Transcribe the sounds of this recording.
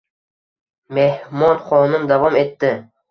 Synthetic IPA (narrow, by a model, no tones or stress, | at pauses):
me̞hmɒnχɒnɪmd̪avɒme̞t̪ːɪ